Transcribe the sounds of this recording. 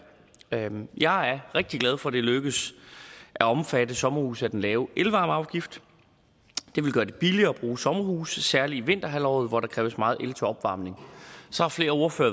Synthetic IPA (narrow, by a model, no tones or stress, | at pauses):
jɑ̈ɪæɐʁeɡ̥̚d̥iɡ̥læð̞ˠfɒ̽d̥e̝løɡ̥əs | ʔæɒ̽mfædəsɒ̽mɐhuːsæd̥enlɛːʊʔelʋɑ̈ːmɑ̈ʊɡ̥ifd̥ | d̥e̝ʋe̝lɡ̥ɶːɐd̥e̝b̥iliɐːb̥ʁuːsɒ̽mɐhuːssæɐliːʋe̝n̰d̥ɐɦælɒ̰ːð̞̩ˠʋɒɾɑ̈kʰʁɛːʊəsmɑ̈ːðˠelt͡sʰəɒ̽b̥ʋɑ̈ːmne̝ŋsɒ̽hɑ̈fle̝ːɐo̝ɐfø̰ːɐ